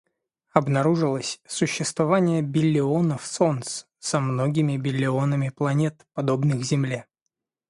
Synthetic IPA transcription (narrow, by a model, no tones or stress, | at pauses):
ɐbnɐɾuʐɨlˠəsʲsʊɕːɪst̪vɐvanʲɪjəbʲɪlʲːɪonəfso̞nt̪s | sɐmno̞ɡʲɪmʲɪbʲɪlʲːɪo̞nəmʲɪplˠɐnʲet̪pɐd̪o̞bnɨxzʲɪmlʲe